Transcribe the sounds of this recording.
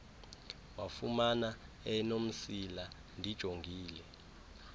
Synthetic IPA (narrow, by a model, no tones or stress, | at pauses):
wafumana | ɛnom̩sila | ndʱid̥ʒ̥ʱoŋɡʱiːlɛ